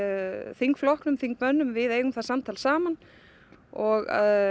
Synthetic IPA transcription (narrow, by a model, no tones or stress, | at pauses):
θiŋkflɔhknʏmθiŋk̚mœnːʏmvɪðeːjɣʏmθasamt̪ʰalsaːman | ɔɣ